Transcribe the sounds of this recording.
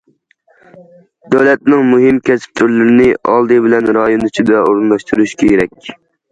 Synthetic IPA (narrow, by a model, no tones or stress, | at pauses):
d̪æwlɛt̪̚nɪŋmuɦɪmkʲʰɛsɪ̥p̚t̪ʰyɾlɪɾɪnɪʔɑ̰lˠd̪ɨbɪlɛnɾɑjonɨt͡ʃʰid̪ɛoɾɨnlˠɑʃt̪uɾuʃkʲʰeɾɛkʲ